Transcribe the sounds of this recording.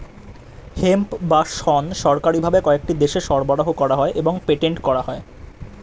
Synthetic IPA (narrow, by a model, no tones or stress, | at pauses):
hempbaʃhɔnʃɔɾkaɾibʱabekɔek̚ʈid̪eʃeʃɔɾbaɽaɦokɔɾaɦɔeʔeboŋpeʈeɳʈkɔɾaɦɔe